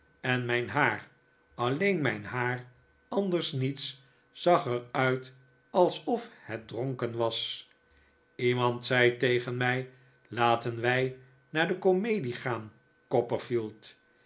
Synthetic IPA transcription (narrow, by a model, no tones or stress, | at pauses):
ɛnmɛjnɦaːr | ɑlejnmɛjnɦaːr | ɑndəɹsnits | sɑχəɹœɥt | ɑlˠsɔfhɛt̚droŋkənʋɑs | imɑntsɛjtejχənmɛj | laːtənʋɛj | naːɹdəkomejdiχaːn | kɔpəɹfilˠt